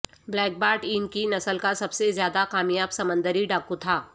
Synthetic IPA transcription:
blɛːk̚baːɾʈiːnkinɐsəlkasɐbsezjaːd̪akaːmijaːbsɐmə̃nd̪əɾiɖaːkut̪ʰaː

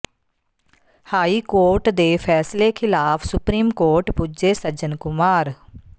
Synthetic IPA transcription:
haːiːkoːɾʈd̪eːpʰɛːsleːkʰɪlaːpʰsʊpɾiːmkoːɾʈpuːd͡ʒeːsəd͡ʒənkʊmaːɾ

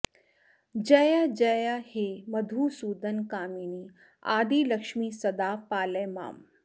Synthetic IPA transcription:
d͡ʒɐjad͡ʒɐjaheːmɐd̪ʱuːsuːd̪ənkaːmiːni | a̰ːd̪iːlɐkʃmisɐd̪aːpaːləjma̰ːm

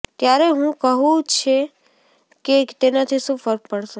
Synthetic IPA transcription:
t̪jaɾeɦũkəɦũt͡ʃʰe | ket̪enat̪ʰiʃũfəɾppəɽʃũ

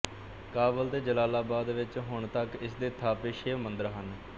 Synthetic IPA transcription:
kaːbəlt̪eːd͡ʒəlaːlaːbaːd̪ʋɪt͡ʃɦʊɳt̪əkɪsd̪eːt̪ʰaːpeːʃeːmənd̪əɾɦən

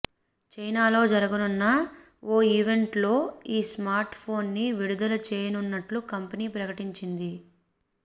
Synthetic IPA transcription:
t͡ʃɐjnaːlo̞ːd͡ʒɐɾɐɡɐnunːɐ | oːiːʋe̞ɳʈlo̞ːiːsmaːɾʈpʰo̞ːnːiʋiɽud̪ɐlɐt͡ʃeːjɐnunːɐʈlukɐmpɐniːpɾɐkɐʈiɲt͡ʃind̪i

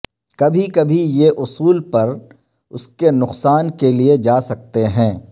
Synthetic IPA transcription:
kɐbʱikɐbʱijeʔʊsuːlpɐɾ | ʊskenʊqsaːnkelied͡ʒaːsɐk̚t̪eɦɛ̃ː

